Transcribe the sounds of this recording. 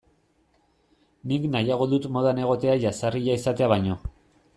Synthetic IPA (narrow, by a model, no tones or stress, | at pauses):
niknajaɣ̞o̞ðut̪mo̞ðane̞ɣ̞o̞t̪e̞aʝasariʎaisat̪e̞aβajɲo̞